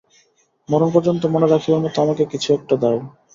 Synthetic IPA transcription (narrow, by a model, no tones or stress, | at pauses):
mɔɾonpɔɾd͡ʑont̪̬omoneɾakʰiamot̪oamakekit͡ɕʰuɛk̚ʈad̪ɛe